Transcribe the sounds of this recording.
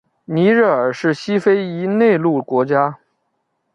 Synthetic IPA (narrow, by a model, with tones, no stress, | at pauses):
ni˧˥ɻə˥˩ə˞˨˩ʂɻ̩˥˩ɕi˥fe˥ɪi˧˥ne˥˧ɪlu˥˩kwɔ˧˥t͡ɕja˥